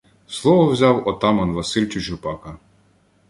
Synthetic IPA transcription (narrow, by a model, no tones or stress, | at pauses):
slˠɔʋɔwzʲɑwɔt̪ɑmɐnʋɐsilʲt͡ʃʲʊt͡ʃʊpɑkɐ